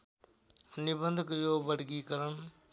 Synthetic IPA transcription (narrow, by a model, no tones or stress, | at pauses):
nɪbə̃nd̪ʱkəjoːbəɖɡiːkəɾən